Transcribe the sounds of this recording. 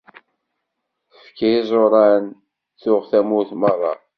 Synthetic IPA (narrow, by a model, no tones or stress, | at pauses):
θəfkæzˤoɾˤɑn | θʊʁθæmuθmɑrˤːɑ̰